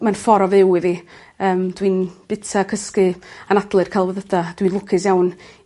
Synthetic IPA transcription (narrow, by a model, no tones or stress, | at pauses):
manfɔɾɔvɪwivi | əːmd̥winb̥ɪtʰakʰəskɨanadlˠɨrkʰajlˠvəðədad̥winlˠʊkʰɪsjawn